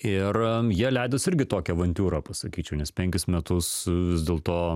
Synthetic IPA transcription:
ɪrjiɛlʲɛɪd̪osɪɾʲɡʲɪt̪oːkʲɛʋɐnʲt̪ʲuːɾɐːpɐsɐkʲiːt͡ʃʲɛʊnʲɛspʲɛŋʲkʲɪsmʲɛt̪ʊsʋʲɪzd̪ʲeːlˠt̪oː

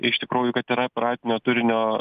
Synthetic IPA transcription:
ɪʃt̪ʲɪkɾuːjʊkɐt̪iːɾɐpʲɪɾɑːpʲɪnʲoːt̪ʊɾʲɪnʲoː

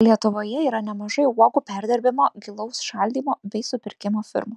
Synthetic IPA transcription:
lʲiɛt̪ʊʋoːjɛiːɾɐnʲɛmɐʒɐɪuɔɡupʲæɾʲd̪ʲɪɾʲbʲɪmoɡʲɪlˠɐʊsʃɐlʲd̪ʲiːmoːbʲɛɪsʊpʲɪɾʲkʲɪmoːfʲɪ̰ɾmoː

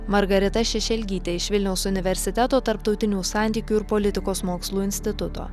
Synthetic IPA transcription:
mɐɾɡɐɾʲɪt̪ɐʃʲɛʃʲɛlʲɡʲiːt̪ʲeɪʃʋʲɪlʲnʲɛʊsʊnʲɪʋʲɛɾʲsʲɪt̪ʲɛt̪oːt̪ɐɾpt̪ɒʊt̪ʲɪnʲuːsɑˑnʲt̪ʲiːkʲuːɪɾpoːlʲɪt̪ʲɪkoːsmoːkslˠuːɪnʲsʲt̪ʲɪt̪ʊt̪o̰ː

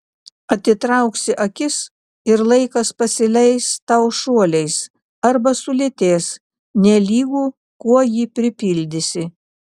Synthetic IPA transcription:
ɐt̪ʲɪt̪ɾɐˑʊksʲɪʔɐkʲɪs | ɪɾlˠɐɪkɐspɐsʲɪlʲɛɪst̪ɐʊʃuɔlʲɛɪs | ɐɾbɐsʊlʲɪt̪ʲeːs | nʲɛlʲiːɡuː | kuɔjiːpʲɾʲɪpʲɪlʲd̪ʲɪsʲɪ

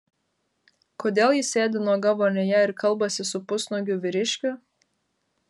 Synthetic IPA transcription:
koːd̪ʲeːlˠjɪsʲeːd̪ʲɪnuɔɡɐʋoːnʲɛjæɪɾkɐlˠbɐsʲɪsʊpʊsnoɡʲʊʋʲɪɾʲɪʃʲkʲʊ

